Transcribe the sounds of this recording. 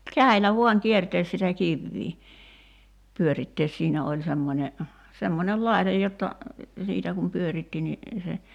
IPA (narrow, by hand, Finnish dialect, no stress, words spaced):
kæi̞lːæ ʋuɑŋ kierteːs sitæ kiʋːiː pyøritːeːs siːnæ olʲ semːonʲe semːonʲel lɑi̞tej jotːɑ siːtæ kum pyøritːi ni se